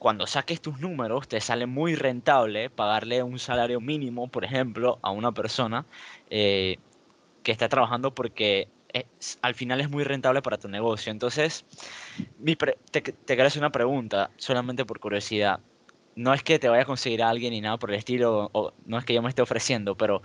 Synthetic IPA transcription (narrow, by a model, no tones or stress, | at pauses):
kwand̪o̞sake̞st̪uznũme̞ɾo̞st̪e̞sale̞mujre̞nt̪aβ̞le̞paɣaɾle̞unsalaɾjo̞mĩnĩmo̞po̞ɾe̞xe̞mplo̞ʔa̰unape̞ɾso̞nae | ke̞ːst̪at̪ɾaβaxand̪o̞po̞ɾke̞ | esalfinale̞zmujre̞nt̪aβle̞paɾat̪une̞ɣo̞sjo̞e̞nt̪o̞nse̞s | mipɾet̪ekt̪ekeɾoseɾunapɾe̞ɣunt̪aso̞lament̪e̞po̞ɾkuɾjo̞sið̞a | no̞e̞ske̞t̪e̞βaʝako̞nse̞ɣ̞iɾaalɣje̞nːinaðapo̞ɾele̞st̪ilo̞ono̞e̞ske̞ʝo̞mest̪e̞o̞fɾe̞sje̞nd̪o̞pe̞ɾo̞